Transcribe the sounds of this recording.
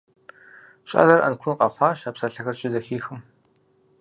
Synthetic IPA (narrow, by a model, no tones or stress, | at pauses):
ɕʼa̰ːɮɐrʔɐ̰nkʷʰʊnqɐχʷɑːʃaːpsaɬɐxɐrɕʼɪzɐxiːxɨm